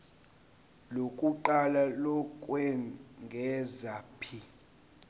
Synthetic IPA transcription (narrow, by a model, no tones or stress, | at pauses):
lokʼuǃalalɔkʼwɛŋɡʱɛzapʰi